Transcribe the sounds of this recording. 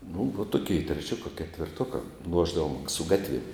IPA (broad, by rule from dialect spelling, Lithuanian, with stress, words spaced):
nʊ ʋɐ tʊˈkʲɛɪ tʲrʲɛˈt͡ʃʲoːkɐ kʲɛtʲʋʲɪrˈtuɔkɐ ˈlˠuɔʒdɐʋoːm sʊ ˈɡɑːtʲʋʲiɛm